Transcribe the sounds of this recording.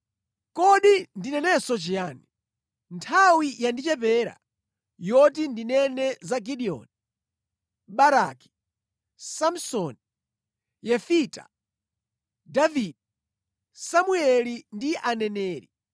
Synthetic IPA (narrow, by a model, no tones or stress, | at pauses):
kɔɗindinɛnɛsɔt͡ʃijaːni | ntʰawijandit͡ʃɛpɛːɾa̰ | jɔtindinɛnɛzaɡiɗiɔ̰ni | ɓaɾaki̥ | sam̩sɔni | jɛfita̰ | davidɛ | samuɛlindiʔanɛnɛːɾi